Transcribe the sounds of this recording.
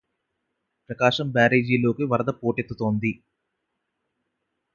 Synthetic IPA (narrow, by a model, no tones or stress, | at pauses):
pɾɐkaːʂɐmbaːɾeːd͡ʒiːlo̞ːkiʋɐɾɐd̪ɐpoːʈet̪ːut̪o̞ːnd̪i